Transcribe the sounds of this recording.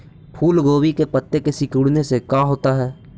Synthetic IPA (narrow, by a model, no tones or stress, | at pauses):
pʰuːlɡoːwikepət̪ːekesɪkuːɽnesekãːɦoːt̪aɦɛː